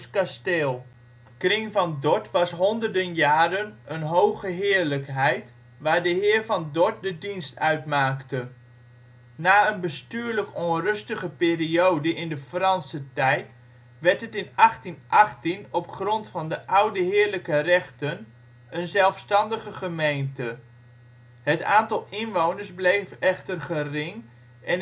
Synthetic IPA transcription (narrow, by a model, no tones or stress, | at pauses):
kastɪlˠ | krɪŋvɑndɔtʋɑsɦɔndərdənjaːɾənənɦowχəɦɪːɹləkɦɛjt | ʋaːɹdəɦɪːɹvɑndɔt̚dədinstœɥtmaːktə | naːənbəstyːɹləkɔnrɵstəχəpɪːriowdəʔɪndəfrɑnsətɛjt | ʋɛɹtɦətɪnɑχtinʔɑχtinɔpχrɔntfɑndəʔʌwdəɦɪːɹləkərɛχtən | ənzɛlˠfstɑndəχəχəmejntə | ɦəta̰ːntɑlˠɪnʋownəɹsblejvɛχtərχərɪŋ | ʔɛn